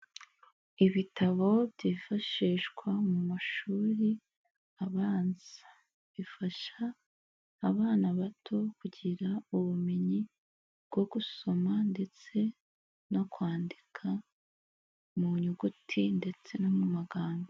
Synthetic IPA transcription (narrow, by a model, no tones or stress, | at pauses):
iβitʰaβo̞bɟifaʃiːʃɡwamumaʃuːɾi | aβaːnz̥a | βifaʃaː | βaːnaβatʰo̞kuɟiɾauβumeɲi | bɡ̥o̞ɡuso̞mande̞t͡se̞ | no̞kwaːndikʰa | muɲuɡutʰinde̞t͡se̞no̞mumaɡaːmɡo